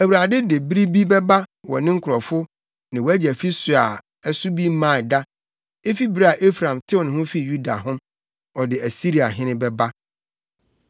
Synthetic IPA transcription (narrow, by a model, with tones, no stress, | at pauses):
æ˨wu˨ɾa˨dɪ˦dɪ˨bi˦ɾi˦bi˦bɛ˦ba˦wɔ̰˨nɪ̃˦ŋ̩˦kʰʊ˨ɾɔ˨fʊ˦ | nɪ̃˨wɔ˨˦æ˦d͡ʑæ˨fi˦sʊ˨a˨ | ɛ˨sʊ˦bi˦mã˦˨da˦ | e˦fi˦bi˦ɾi˦a˨ʔe˦fɾã˨mtʰɪ˦ɔ˨nɪ̃˨hʊ̃˦fi˦˨ju˦da̰˨hʊ̃˦m | ɔ˨dɪ˨æ˨si˦ɾi˨a˨ɦɪ̃˦nɪ̃˦bɛ˦ba˦